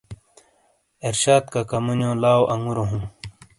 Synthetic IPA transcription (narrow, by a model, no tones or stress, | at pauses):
eɾɕaːt̪̚kakɐmunjõːlaːwoʔɐŋɡuɾoɦũː